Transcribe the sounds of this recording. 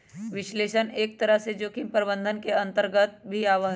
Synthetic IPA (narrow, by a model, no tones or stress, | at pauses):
ʋɪʃleːʃəneːk̚t̪ɐɾəɦsed͡ʒoːkimpəɾbə̃nd̪ʱənkeɐ̃nt̪əɾɡət̪̚bʱiaːʋəɦ